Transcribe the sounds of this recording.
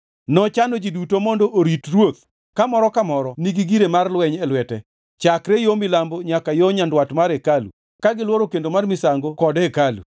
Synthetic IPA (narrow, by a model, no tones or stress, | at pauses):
nɔt͡ʃanod͡ʒidutomondoʔoɾitrwot̪̚ | kamɔɾɔkamɔɾɔniɡiɡiɾemarlwɛɲɛlwɛtɛ | t͡ʃakɾɛjomɪlamboɲakajoɲandwatmaɾekalṵ | kaɡɪlwɔɾokendomarmɪsaŋɡokɔdɛkalṵ